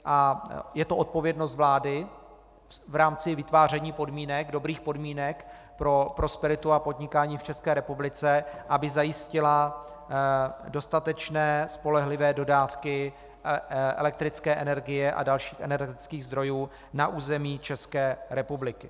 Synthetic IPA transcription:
ʔajɛt̪oʔo̞t̪̚po̞vjɛdno̞st̪vlaːdɪ | vɾaːmt͡sɪvɪt̪vaːr̝ɛɲiːpo̞dmiːnɛɡdo̞bɾiːxpo̞dmiːnɛk | pɾo̞pɾo̞spɛɾɪt̪uapo̞dɲɪkaːɲiːft͡ʃɛskɛːɾɛpublɪt͡sɛʔabɪzajɪscɪla | do̞st̪at̪ɛt͡ʃnɛːspo̞lɛɦlɪvɛːdo̞daːfkɪ | ʔɛ̰lɛk̚t̪ɾɪt͡skɛːʔɛnɛɾɡɪjɛʔa̰dalʃiːxɛnɛɾɛt̪ɪt͡skiːɣzd̪ɾo̞juː | naʔuːzɛmiːt͡ʃɛskɛːɾɛpublɪkɪ

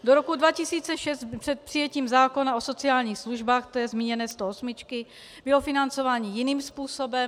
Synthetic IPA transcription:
doɾokudvacɪsiːt͡sɛʃɛst̪pr̝̥ɛt̪̚pr̥ɪjɛciːmzaːko̞naʔoso̞t͡sɪaːlɲiːxsluʒbaːxt̪ɛjɛzmiːɲɛnɛːst̪oosmɪt͡ʃkɪ | bɪlofɪnant͡so̞vaːɲiːjɪniːmspuːso̞bɛm

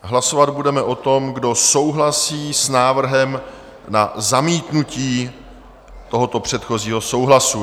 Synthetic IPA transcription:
ɦlaso̞vad̪budɛmɛʔo̞t̪o̞mɡdo̞so̞wɦlasiːsnaːvr̩ɦɛm | nazamiːt̪nuciː | t̪o̞ɦot̪o̞pr̝̥ɛt̪xo̞ziːɦo̞so̞wɦlasu

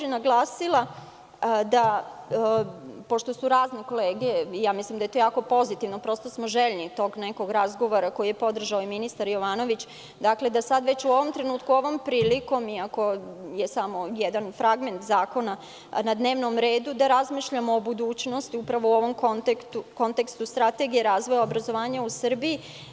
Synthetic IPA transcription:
inaɡlˠaːsilˠa | d̪a | poʃt̪o̞suɾaːzneko̞leːɡeijaːmislimd̪ajet̪ojaːko̞po̞zit̪iʋnopɾo̞st̪o̞smoʒeʎnit̪o̞ɡneko̞ɡɾazɡo̞ʋo̞ɾako̞ijepo̞d̪r̩ʒaoiminist̪aɾjo̞ʋaːno̞ʋit͡ɕ | d̪akle̞d̪asad̪ʋe̞t͡ɕuo̞ʋo̞mt̪ɾe̞nuːt̪kuo̞ʋo̞mpɾiːliko̞miako̞jesamojɛd̪anfɾaɡme̞nt̪zaːko̞na | nad̪ne̞ːʋno̞mɾeːd̪ud̪aɾazmiːʃʎamoːbud̪uːt͡ɕno̞st̪iupɾaʋo̞uo̞ʋo̞mkont̪ekt̪uko̞nt̪e̞kst̪ust̪ɾat̪e̞ɡijeɾaːzʋo̞jaobɾazo̞ʋaːɲausər̩bii

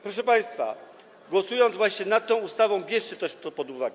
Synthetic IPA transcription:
pɾɔʂ̬ɛpaj̃st̪fa̰ | ɡwɔsujɔnd̪zvwaɕɲɛnat̪ːɔ̃w̃ust̪avɔ̃w̃bʲjɛʂt͡ɕɛt̪ɛʂt̪ɔpɔd̪uvaɡɛ

